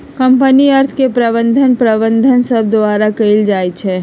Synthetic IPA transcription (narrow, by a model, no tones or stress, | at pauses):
kəmpəniəɾt̪ʰkepɾəβə̃nd̪ʱənpɾəbənd̪ʱənsəb̚d̪oaːɾakəɪld͡ʒaːjt͡ʃʰɛ